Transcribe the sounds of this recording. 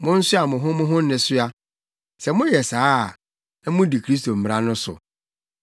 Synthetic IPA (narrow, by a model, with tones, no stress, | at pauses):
mʊ̃˦n̩˦sʊ˦a˨mʊ̃˨ɦʊ̃˦mʊ̃˦ɦʊ̃˦n̩˦nɪ̃˨sʊ˦a˦ | sɛ˨mʊ̃˦jɛ˨saː˦˨ | ɛ˦mʊ̃˦di˨kʰɾi˦s̬to˨m̩˨m˨ɾã˦nʊ̃˦sʊ̰˨